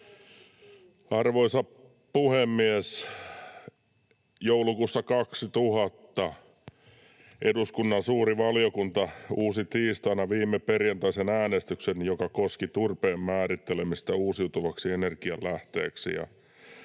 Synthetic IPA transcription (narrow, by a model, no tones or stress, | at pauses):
ɑrʋoisɑ | puhemːies | joulukuːsːɑkɑksit̪uhɑt̪ːɑ | ʔeduskunːɑnsuːriʋɑljokunt̪ɑuːsit̪iːst̪ɑinɑʋiːmːeperjɑnt̪ɑisenæːnest̪yksenjokɑkoskit̪urpeːmmæːɾit̪ːelemist̪ɑuːsijut̪uʋɑksienerkiɑllæht̪ḛːksḭjɑ̰